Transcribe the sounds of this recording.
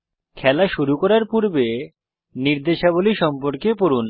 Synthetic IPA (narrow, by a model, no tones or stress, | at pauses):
kʰɛlaʃuɾukɔɾaɾpuɾbe | niɾd̪eʃaboliʃɔmpoɾkepoɾun